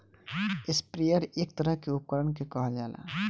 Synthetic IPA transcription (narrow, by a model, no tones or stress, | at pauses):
ɪspɾijəɾeːk̚t̪əɾəɦkeʊp̚kəɾəɳkekɔɦad͡ʒaːla̰ː